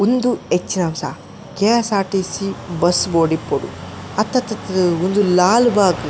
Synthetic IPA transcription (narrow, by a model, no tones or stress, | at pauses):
ond̪uet͡ʃːnɐmsa̰ | keaːsaːʈisibɐsboːɖipːoɽṵɐt̪ːɐt̪ːɐt̪ːond̪ulaːlbaːk